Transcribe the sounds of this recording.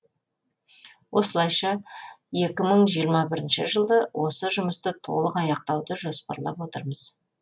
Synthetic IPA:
wʔo̞səlˠɑjʃɑje̞kʲɪməɴʒijəɾmɑbɪɾɪnʃɪʒəlˠd̪əwʔo̞səʒʊməst̪ət̪ʰo̞̰lˠəqɑjɑq̚t̪ɑwd̪əʒo̞spɑ̰ɾlˠɑ̰pwo̞t̪əɾməz̥

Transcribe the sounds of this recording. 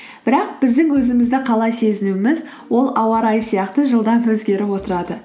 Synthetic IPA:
b̥ɪɾɑq̚b̥ɪzd̪ɪŋwɵzɪmɪzd̪ɪqʰɑlˠɑjse̞zɪnuɪmɪz | wo̞lˠɑwɑɾɑjəsijɑqt̪əʒəlˠd̪ɑpwɵzɡʲe̞ɾɪpwo̞t̪əɾɑd̪ə

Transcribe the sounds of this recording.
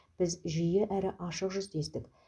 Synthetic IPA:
b̥ɪzʒijɪʔæɾɪʔɑʃəqʒʏzt̪e̞st̪ɪk

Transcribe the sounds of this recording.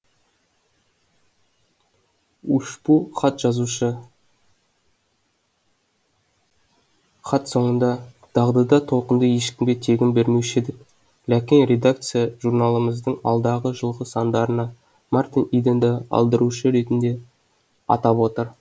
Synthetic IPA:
uʃpuχɑt̪ʒɑzuʃə | χɑt̪so̞ɴənd̪ɑ | d̪̥ɑʁd̪ɑd̪ɑt̪ʰo̞lˠqənd̪əje̞ʃkʲɪmɡʲet̪ʰe̞ɡʲɪnbeɾme̞ʃɪd̪ɪk | lækʲenɾʲe̞d̪ak̚t̪sɨjaʒurnɑlˠəməzd̪əɴɑ̰lˠd̪ɑʁəʒəlˠʁəsɑnd̪ɑɾənɑ | mɑrt̪inid̪end̪ɪɑ̰lˠd̪əɾuʃəɾe̞t̪ɪnd̪e̞ | ɑ̰t̪ɑpwo̞t̪əɾ

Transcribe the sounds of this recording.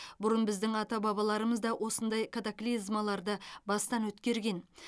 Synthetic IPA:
bʊɾənbɪzd̪ɪŋɑt̪ɑbɑβɑlˠɑɾəməzd̪ɑwʔo̞sənd̪ɑjkʰat̪aklizmɑlˠɑɾd̪əbɑst̪ɑnwɵt̪kʲe̞ɾɡʲe̞n

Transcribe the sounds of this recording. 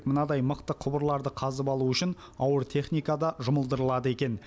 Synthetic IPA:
kmənɑd̪ɑjməqt̪əqʰʊbəɾlˠɑɾd̪əqʰɑzəpɑlˠuʏʃɪn | ɑwəɾt̪ʰe̞χnijkɑd̪ɑʒʊməlˠd̪əɾəlˠɑd̪əe̞kʲe̞n

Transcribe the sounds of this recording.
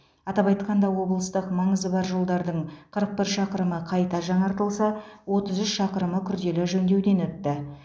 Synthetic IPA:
ɑt̪ɑpɑjt̪qɑnd̪ɑwo̞blˠəst̪əqmɑɴəzəbɑɾʒolˠd̪ɑɾd̪əɴqʰəɾəq̚pɪɾʃɑqəɾəməqʰɑjt̪ɑʒɑɴɑɾt̪əlˠsɑwo̞t̪əzʏsʃɑqəɾəməkʲʰʏɾd̪e̞lɪʒɵnd̪e̞wd̪e̞nɵt̪ːɪ

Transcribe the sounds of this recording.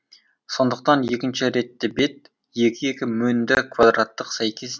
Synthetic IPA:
so̞nd̪əq̚t̪ɑnje̞kʲɪnʃɪɾe̞t̪ːɪbe̞t̪̚ | je̞kʲɪje̞kʲɪmɵnd̪ɪkʰvad̪rat̪ːəqsæjkʲʰe̞s

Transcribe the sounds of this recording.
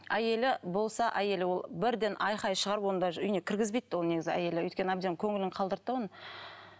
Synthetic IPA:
æje̞lɪbo̞lˠsɑʔæje̞lɪwo̞lˠbɪɾd̪e̞nʔɑjχɑjʃəʁɑɾəpwo̞nnd̪ɑʏjne̞kʲʰɪɾɡʲɪzbejt̪ːɪwone̞ɡʲɪzɡʲɪæ̰je̞lɪɵ̰jt̪kʲe̞nɪæb̚d̪eŋkʲʰɵŋɪlɪŋqʰɑlˠd̪əɾt̪ːəwonə

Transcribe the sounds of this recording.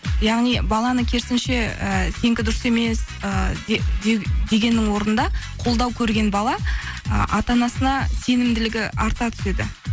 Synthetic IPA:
jɑʁnijbɑlˠɑnəkʲʰe̞ɾsɪnʃe̞əse̞ŋkʲɪd̪ʊɾəse̞me̞s | ə | d̪e̞ɡʲe̞nːɪŋwo̞ɾənd̪ɑqʰo̞lˠd̪ɑwkʲʰɵɾɡʲe̞nbɑlˠɑə̰ʔɑt̪ɑnɑsənɑse̞nɪmd̪ɪlɪɡʲɪʔɑɾt̪ɑt̪ʰʏ̥se̞d̪ɪ

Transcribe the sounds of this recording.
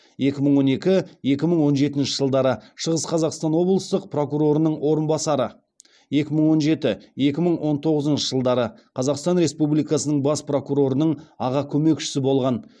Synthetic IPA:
je̞kʲɪməɴwo̞ne̞kʲɪje̞kʲɪməɴwo̞nʒe̞t̪ɪnʃɪ̥ʒəlˠd̪ɑɾəʃəʁəsqʰɑzɑqst̪ɑnwo̞blˠəst̪əq̚pro̞kuɾo̞ɾənəɴwo̞ɾənbɑsɑɾə | je̞kʲɪməɴwo̞nʒe̞t̪ɪje̞kʲɪməɴwʔo̞nt̪ʰo̞ʁəzənʃəʒəlˠd̪ɑɾəqʰɑzɑqst̪ɑnɾe̞spublijkɑsənəɴbɑspro̞kuɾo̞ɾənəɴɑʁɑkʲʰɵme̞kʃɪ̥sɪbo̞lˠʁɑn

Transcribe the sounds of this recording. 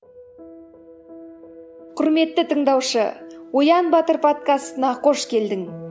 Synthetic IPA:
qʰʊɾme̞t̪ːɪt̪ʰəɴd̪ɑwʃə̰wojɑnbɑt̪əɾpʰo̞t̪̚kast̪ənɑqʰo̞ʃkʲe̞ld̪ɪŋ

